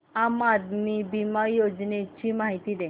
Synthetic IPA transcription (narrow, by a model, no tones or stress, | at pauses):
amad̪mibimajod͡ʒnet͡ɕimaɦit̪id̪e